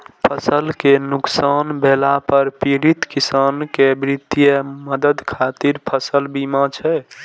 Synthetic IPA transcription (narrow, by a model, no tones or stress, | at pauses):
pʰəsəlkenuksanbʱelapəɾpiɾit̪kisankebɾid̪ijəməd̪əd̪kʰat̪iɾpʰəsəlbimat͡ʃʰɛ